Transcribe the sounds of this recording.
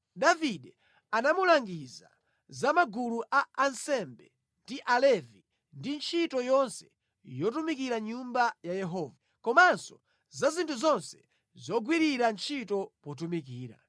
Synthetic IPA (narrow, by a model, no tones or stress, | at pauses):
ɗaviɗɛ | anamulaŋɡiza̰ | zamaɡuluʔaansɛmbɛ | ndiʔalɛvi | ndint͡ʃʰitɔjɔnsɛ̥ | jɔtumikiɾaɲumbajajɛɦɔːva | kɔmansɔ | zazintʰuzɔnsɛ̥ | zɔɡwiɾiɾant͡ʃʰitɔpɔt̬umik̬iːɾa̰